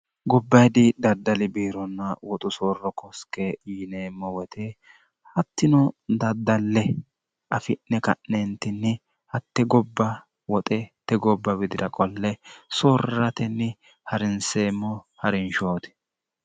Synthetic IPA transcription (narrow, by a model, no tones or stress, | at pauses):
ɡɔbːɐjd̪ɪd̪ɐd̪ːɐlɪbiːɾɔnːɐwɔt̪ʼʊsoːrːɔkɔskejiːneːmːɔwɔt̪ʰɛ | hɐt̪ːɪnɔd̪ɐd̪ːɐlːɛ | ɐfɪnːɛkɐ̰ʔnent̪ɪnːɪ | hɐt̪ːɛɡɔbːɐ | wɔt̪ʼɛt̪ɛɡɔbːɐbɪd̪ɪd̪ɐkʼɔlːɛsoːrːɐt̪ɛnːɪ | hɐɾɪnseːmːɔhɐɾɪnʃoːt̪ɪ̥